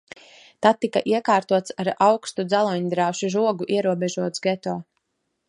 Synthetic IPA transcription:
t̪at̪̚ːikaʔiɛkaːɾt̪uɔt̪saɾawkst̪ud̪zalˠɔɲd̪ɾawʃiʒuɔɡuʔiɛɾuɔbɛʒuɔt̪sɡɛt̪ɔː

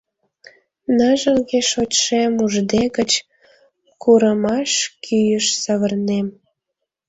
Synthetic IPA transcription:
nɑʒəlɣeʃot͡ɕʃemuʒd̪eɣət͡ɕ | kuɾəmɑʃkʰyjəʃsɑβərnem

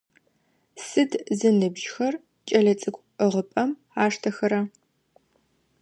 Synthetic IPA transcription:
sɨdzɨnɨbʒxɐr | t͡ʃʼɐɮɐt͡sʼɨkʷʼəʁəpʼɐm | aːʂtʰɐxɐɾɐ

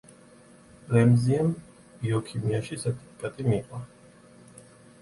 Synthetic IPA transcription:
ɾɛmziɛm | b̥iɔkʰimiaʃisɛɾt̪ʰi̥pʰi̥kʼat̪ʼimiqʼwa

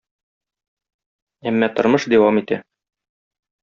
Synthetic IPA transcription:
æmːæt̪ŏɾmɤʃd̪æwɑmit̪æ

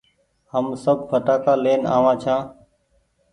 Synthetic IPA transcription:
həmsəb̚ʱfəʈaːkaːleːna̰ːʋãːt͡ʃʰãː

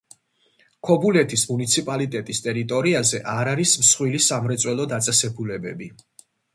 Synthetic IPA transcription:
kʰɔbulɛt̪ʰismunit̪sʰipʼalit̪ʼɛt̪ʼist̪ʼɛɾit̪ʼɔɾiazɛʔaɾaɾismsχwilisamɾɛt̪sʼwɛlˠɔd̪at̪sʼɛsɛbulɛbɛbi

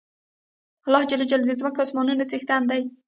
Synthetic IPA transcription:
alːɑhd͡ʒalad͡ʒald̪əzməkaʊsmɑnunasext̪and̪aj

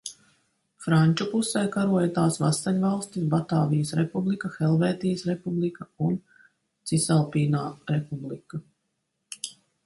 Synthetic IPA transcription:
fɾanʲt͡ʃupusɛjkaɾuɔjat̪aːsvasaɲʲvalˠst̪isbat̪aːvijəsɾepublˠikaxɛlˠvɛːt̪ijəsɾepublˠikaun | t̪sisalˠpiːnaːɾepublˠika

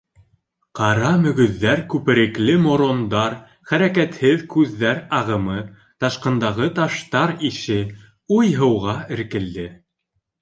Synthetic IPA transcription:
qɑɾɑmɵ̆ɡɵ̆ðːæɾkʉpɘ̆ɾɘ̆klɘmoɾond̪ɑɾ | χæɾækæt̪hɘðkʉðːæɾɑʁɤ̆mɤ | t̪ɑʃqɤ̆nd̪ɑʁɤt̪ɑʃt̪ɑɾiʃɘ | ujɦɤ̆wʁɑɘ̆ɾkɘ̆ld̪ɘ

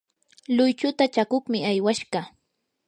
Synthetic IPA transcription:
lʊjt͡ʃʊt̪at͡ʃakʊχmɪajwaʃɢɑ

